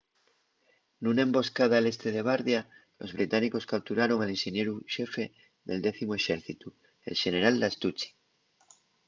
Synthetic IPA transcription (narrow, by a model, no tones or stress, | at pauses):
nunaẽmbo̞skað̞ale̞st̪eðeβ̞aɾðjalo̞zβ̞ɾit̪aniko̞skap̚t̪uɾaɾo̞ŋalẽnʃenje̞ɾuʃefe | ðeld̪eθimoe̞ʃeɾθit̪u | ḛlʃe̞ne̞ɾald̪ast̪ut͡ʃi̥